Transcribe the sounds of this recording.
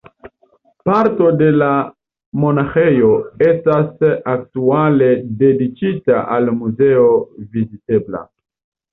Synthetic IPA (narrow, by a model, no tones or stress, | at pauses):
paɾto̞de̞la | mo̞naxe̞jo̞estasaktuale̞de̞dit͡ʃitaʔalmuze̞ovizite̞bla̰